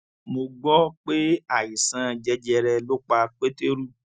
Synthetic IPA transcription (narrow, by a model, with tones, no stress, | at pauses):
mo˧ɡ͡bɔ˦k͡pe˦a˦˨ji˨sã˨˦d͡ʒɛ˧d͡ʒɛ˧ɾɛ˧lo˦k͡pa˧k͡pe˦te˦ɾu˦